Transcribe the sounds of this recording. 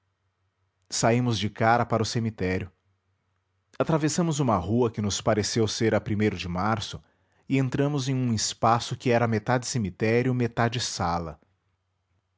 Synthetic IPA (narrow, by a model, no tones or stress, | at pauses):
saimʊzd͡ʒɪkaɾɐpaɾɐʊsemit̪ɛɾjʊ | at̪ɾavesɐ̃mʊzũmɐhuɐkɪnʊspaɾesewseɾɐpɾimejɾʊd͡ʒɪmaɾsʊ | ɪẽnt̪ɾɐ̃mʊzẽj̃ũɪspasʊkɪɛɾɐmet̪ad͡ʒɪsemit̪ɛɾjʊmet̪ad͡ʒɪsalɐ̰